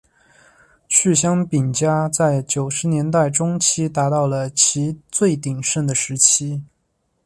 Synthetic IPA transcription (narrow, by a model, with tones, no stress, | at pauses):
t͡ɕʰy˥˩ɕ̬jɑ˥ŋpi˨˩ŋt͡ɕja˥t͡sa˥˩ɪt͡ɕjo˨˩ʊʂɻ̩˧˥njɛ˧˥nt̪a˥˩ɪʈ͡ʂʊ˥ŋt͡ɕʰi˥t̪a˧˥t̪ɑ˥˩ʊlə˩t͡ɕʰi˧˥t͡swe˥˩ɪt̪i˨˩ŋʂə˥˩nd̪ə˩ʂɻ̩˧˥t͡ɕʰi˥